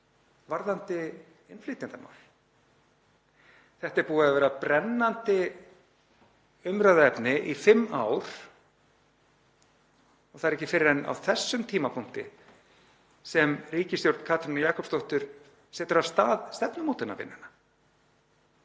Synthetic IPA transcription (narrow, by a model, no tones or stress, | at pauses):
vaɾðant̪ɪ | ɪnfliːt̪ɪnt̪ama̰ːwl | θɛht̪ɛɾpuːaðavɛːɾapɾɛnːant̪ɪ | ʏmɾaðaɛpnɪʔifɪmːaːwɾ̥ | ɔɣθaðɛɾɛcːɪfɪɾɪɾɛnːa̰wθɛsːʏmt̪ʰiːmapʰʊŋ̥t̪ɪ̰ | sɛmriːcɪst̪jowɾt̪kʰaːt̪ʰɾɪnajaːkʰɔpst̪owht̪ʏɾ̥ | sɛːt̪ʏɾḁst̪aːðst̪ɛpnʏmowt̪ɪnːa̰vɪ̰nːɪna